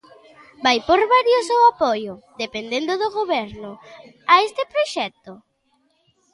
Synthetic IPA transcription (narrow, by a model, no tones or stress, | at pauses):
bajpoɾβaɾjosowapojʊðepend̪end̪ʊðoɣoβɛɾnʊ | aest̪ɪpɾoʃɛt̪ʊ